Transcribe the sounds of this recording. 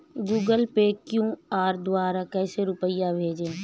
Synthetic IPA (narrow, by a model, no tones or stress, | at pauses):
ɡuːɡəlpekjũːaːɾd̪waːɾakɛːseɾʊpəɪjabʱeːd͡ʒẽː